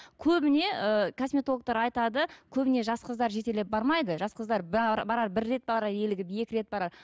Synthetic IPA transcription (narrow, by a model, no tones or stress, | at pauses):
kʲʰɵbɪne̞ʔəkʰosmʲet̪o̞lˠək̚t̪ɑɾɑjt̪ɑd̪əkʲʰɵbɪne̞ʒɑsqəzd̪ɑɾʒe̞t̪elep̚bɑɾmɑjd̪əʒɑsqəzd̪ɑɾbɑɾɑɾbɪɾːe̞t̪̚bɑɾɑɾe̞lɪɡʲɪpe̞kʲɪɾe̞t̪̚bɑɾɑɾ